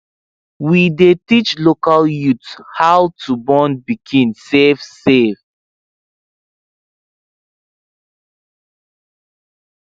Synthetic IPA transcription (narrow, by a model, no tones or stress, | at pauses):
widetit͡ʃlokaljuthawtʰubɔ̃nbiɡʰĩnsefsev